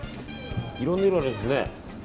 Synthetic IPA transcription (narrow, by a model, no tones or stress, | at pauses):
iɾonːeɾɯaɾesɨnḛ